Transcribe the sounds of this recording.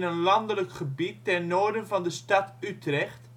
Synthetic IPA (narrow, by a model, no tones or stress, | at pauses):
nənlɑndələkχəbitːɛrnoːɹdənvɑndəstɑtytrɛχt